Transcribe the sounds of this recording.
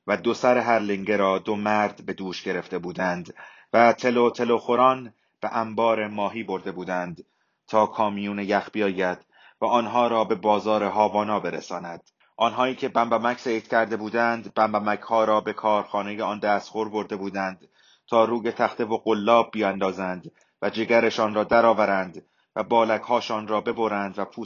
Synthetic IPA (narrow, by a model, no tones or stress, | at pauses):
væd̪o̞sæɾeɦæɾliŋɟeɾɒːd̪o̞mæɾd̪̥be̞d̪uːʃɟe̞ɾe̞ft̪e̞buːd̪ænd̪ | væt̪ʰe̞lot̪ʰe̞loxo̞ɾɒːn | b̥eʔæmbɒːɾemɒːɦiːbo̞ɾd̪e̞buːd̪ænd̪̥ | t̪ʰɒːkʰɒːmijuːnejæxb̥ijɒːjæd̪̥ | væʔɒːnɦɒːɾɒːbe̞bɒːzɒːɾe̞ɦɒːvɒːnɒːbe̞ɾḛsɒːnæd̪̥ | ʔɒːnɦɒːiːcʰe̞bæmbæmækseit̪cʰæɾd̪e̞buːd̪ænd̪bæmbæmæchɒːɾɒːbe̞kʰɒːɾxɒːne̞je̞ɒnd̪æːst̪χoɾbo̞ɾd̪e̞buːd̪ænd̪̥ | t̪ʰɒːɾuːje̞t̪ʰæxt̪ʰe̞vo̞ɡolːɒːb̚ːijænd̪ɒːzænd̪ | væd͡ʒe̞ɡæɾe̞ʃɒːnrɒːd̪æɾɒːvæɾænd̪ | væbɒːlækhɒːʃɒːnrɒːbe̞bo̞ɾænd̪væpʰuː